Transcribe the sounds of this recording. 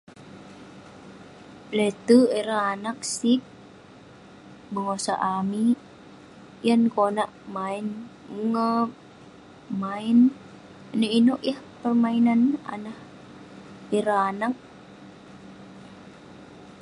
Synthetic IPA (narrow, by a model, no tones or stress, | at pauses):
lɛt̪uɛɾaːnak̚sip̚ | bəŋasa̰ʔami | jankonaʔmain | ŋə | main | nəinɔʔjahpərmainana̰nah | ɛɾaanak̚